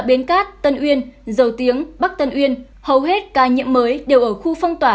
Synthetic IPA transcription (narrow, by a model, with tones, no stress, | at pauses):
ɓi˨˦ənkaː˦˥t̚t̪ə˧nʔwi˧ənzə˨˩wt̪i˨˦əŋɓa˦˥k̚t̪ə˧nʔwi˧ən | hə˨˩wɦe˦˥t̚kaː˨˦ɲḭ˧˨əmːəː˨˦jɗe˨˩wʔəː˧˩xu˧fɔ˧wŋ͡mt̪waː˧˩